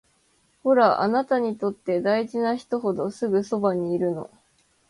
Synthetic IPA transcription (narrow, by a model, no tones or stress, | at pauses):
ho̞ɾaʔa̰nat̪aɲ̟it̪o̞t̪ːe̞d̪aiʑinaçi̥t̪o̞ɦo̞d̪o̞sɨɡɯ̟so̞baɲ̟iːɾɯ̟no̞̰